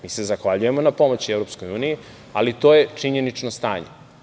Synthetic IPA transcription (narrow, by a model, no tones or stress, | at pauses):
miːsezaxʋaʎuje̞mo̞napo̞mo̞t͡ɕievɾo̞psko̞juːniji | a̰lit̪o̞ːje̞t͡ʂiɲe̞nit͡ʃno̞st̪aːɲḛ